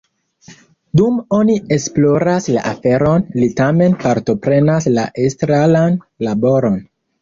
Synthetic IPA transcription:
dumo̞nie̞splo̞ɾasla̰ʔafe̞ɾo̞nlitame̞npaɾto̞pɾe̞naslaʔestɾalan | labo̞ɾo̞n

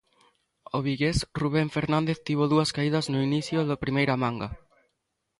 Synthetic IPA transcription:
oβiɣesruβ̞eɱfeɾnãnd̪eθt̪iβ̞oðuɐskaið̞ɐznʊiniθjoðɐpɾimejɾamãŋɡa

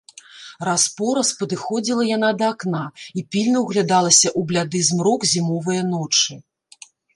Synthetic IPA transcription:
raspɔɾɐspɐd̪ɨxɔd͡zʲilˠɐjan̪ad̪ɐːknaipʲilʲnɐwɣlʲad̪alˠɐsʲɐʔublʲad̪ɨzmɾɔkzʲimɔvɨjɐnɔt͡ʂɨ

